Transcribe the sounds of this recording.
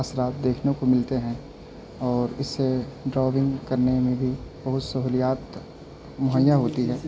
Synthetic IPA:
əsɾaːt̪̚d̪eːkʰnõkomɪlt̪eɦɛ̃ | ɔːɾɪsːeɖɾaːʋɪ̃ŋɡkɐɾnemẽbʱibɐɦʊt̪sɐɦuːlijaːt̪ | mʊɦəjːaɦoːt̪iɦɛː

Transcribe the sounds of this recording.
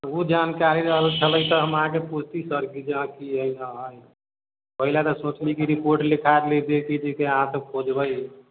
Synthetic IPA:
ud͡ʒankaɾiɾəɦəlt͡ʃʰələjt̪ɔɦəmɦãkepud͡ʒʰʱt̪isəɾkid͡ʒãkiɦəjãɦəj | pəɦilat̪ɔsõt͡ʃnikiɾipoɾʈlikʰad̪lid̪ekid͡ʒikeəɦãt̪əpʰod͡ʒbəj

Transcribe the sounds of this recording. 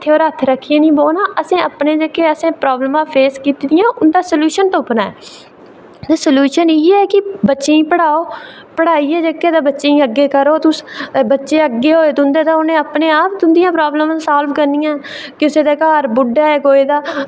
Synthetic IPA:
t̪ʰːeoːɾət̪ʰɾəkʰːɪjẽːnĩːboːnãːʔəsĩːəpneːd͡ʒəkːeːəsẽːpɾaːbləmãːpʰeːskiːt̪id̪ɪjãːʔʊnd̪aːsəljuːʃənt̪opnaːɛː | t̪eːsəljuːʃəniːɛːkɪbətːʃeːĩːpəɽaːoː | pəɽaːiːɛːd͡ʒekːeːt̪aːbətːʃeĩːəɡːeːkəɾoːt̪ʊsbətːʃeːəɡːeːɦoːeːd̪ʊ̃nd̪eːt̪ãːʊnẽːəpneːaːp̚d̪ʊnd̪ɪjãːpɾaːbləmãːsaːlbkəɾnɪjãː | kɪʊseːd̪eːkaːɾbʊɖaːɛːkoːeːd̪aː

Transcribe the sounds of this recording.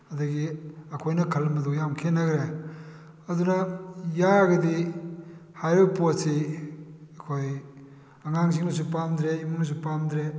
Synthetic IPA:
ɐduɡiɐkʰojnɐkʰɐlmɐdujamkʰenːɐɡɾe | ɐdunɐjaɡɐdi | hajɾɯposi | ɐkʰoj | ɐŋaŋziŋnɐsupamd̪ɾeimunɐs̬upamd̪ɾe

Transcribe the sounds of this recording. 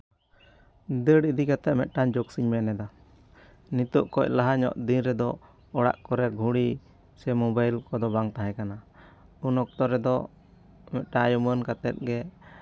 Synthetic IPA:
d̪əɽid̪ikat̪ɛʔmɛʔ̪̚ˀʈaɲd͡ʒɔksiɲmɛnɛd̪a | nit̪ɔʔkɔc̚laɦaɲɔ̰ʔd̪inɾɛd̪ɔ | ɔɽa̰ʔkɔɾɛɾɡʱuɽi | sɛmɔbajlkɔd̪ɔbaŋt̪aɦɛkana | unɔk̚t̪ɔɾɛd̪ɔ | mɛt̪̚ʈajumənkat̪ɛt̪̚ɡɛ

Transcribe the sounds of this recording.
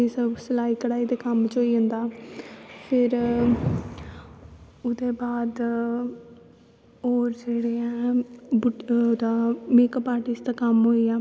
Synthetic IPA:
ɪsəbsəlaːiːkəɽaːiːd̪eːkəmt͡ʃoːiːɦə̃nd̪aː | pʰɪɾ | ʊd̪eːbaːd̪ | oːɾd͡ʒeːɽeːãːbʊd̪aːmeːkːpaːɾʈɪsd̪aːkəmɦoːiːaː

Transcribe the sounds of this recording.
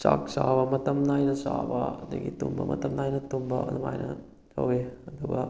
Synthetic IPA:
sa̰ksabɐmɐt̪ɐmnajnɐsabɐd̪eɡit̪umbɐmɐ̰t̪ɐmnajnɐt̪umbɐ̰ɐ̰d̪uma̰jnʔɐ̰ | d͡ʒɐ̰weɐd̪uɡɐ

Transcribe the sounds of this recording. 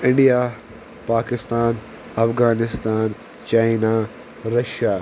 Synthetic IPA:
ɪ̃ɳɖija | paːkɪst̪aːn | ɐfɣaːnɪst̪aːn | t͡ɕaːɪna | ɾɐʃaː

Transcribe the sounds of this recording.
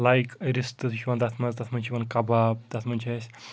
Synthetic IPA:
lajkɾist̪ɨt̪ʰʃʲʰiʋɐnd̪ɐt̪ʰmɐnzd̪ɐt̪ʰmɐnʲt͡ʃʰiʋɐnkɐbabd̪ɐt̪ʰmɐnʲt͡ʃʰɐsʲ

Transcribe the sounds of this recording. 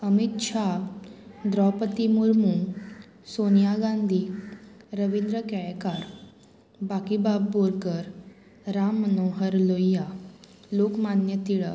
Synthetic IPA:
əmit̪ʂa | d̪ɾɔpət̪imuɾmu | sonijaɡãnd̪ʱi | ɾəʋind̪ɾəkɛjkaɾ | bakibabːoɾɡəɾ | ɾamːənoɦəɾlojjːa | lokmanjət̪iɭə

